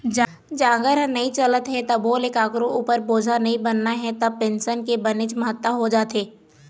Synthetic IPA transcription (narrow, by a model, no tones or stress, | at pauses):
d͡ʒ | d͡ʒãːɡəɾnɐɦĩt͡ʃɐlət̪ɦɛt̪ɐboːlekaːkɾõʔuːpəɾboːd͡ʒʱanɐɦĩbɐnːaɦɛt̪ɐbpẽnsənkebɐnɪt͡ʃmɐɦət̪ːəɦod͡ʒaːt̪eː